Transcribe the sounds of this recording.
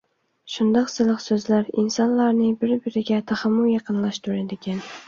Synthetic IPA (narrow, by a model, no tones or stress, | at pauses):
ʃʊnd̪ɒqsɨlˠɨqsɵzlaɾɪnsɒnlaɾnɪbɪɾbɪɾɪɡʲat̪ʰaχamːʊjɑqɨnlaʃt̪ʰʊɾad̪eɡʲan